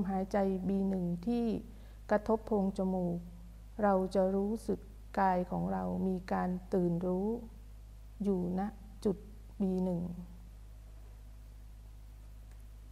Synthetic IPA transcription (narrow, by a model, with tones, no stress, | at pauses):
mɦaː˩˦jt͡ɕa˧jbiː˧nɯ˨˩ŋt̪ʰiː˥˩ | kɾa˧t̪ʰo˦˥pʰːoː˧ŋt͡ɕa˧muː˧˨˩k̚ | ɾa˧wt͡ɕa˨˩ɾuː˦˥sɯ˨˩kːaː˧jkʰɔː˩˦ŋɾa˧wmiː˧kaː˧nt̪ɯː˨˩nɾuː˦˥ | juː˨˩na˦˥ʔ | t͡ɕu˨˩t̪̚ | biː˧nɯ˨˩ŋ